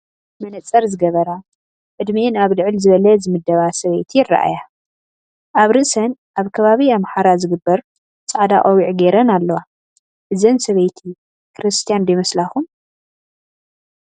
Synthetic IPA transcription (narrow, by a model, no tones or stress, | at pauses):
mɐnɐt͡sʼɐɾzɨɡɐβɐɾa | ʕɨd̪miʔɨnaβlɨʕɨlzɨβɐlɐzɨmɨd̪ːɐβasɐβɐjt̪ʰiɪrːa̰ʔa̰ja | ʔaβɾɨʔsɐnʔaβkʰɐβaβiamħaɾazɨɡɨbːɐɾ | t͡sʼaʕd̪a̰ʔʼɐwiʕɡeɾɐnalːɐwa | ʔɨzɐnsɐβɐjt̪ʰi | kʰɾɨst̪ʰijand̪ɐjmɐslaxun